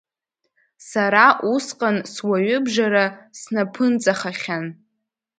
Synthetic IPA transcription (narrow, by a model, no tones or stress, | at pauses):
saɾaʔusqʼanswaɥʏbʐaɾasnapʰɨnt͡sʼaχaχʲan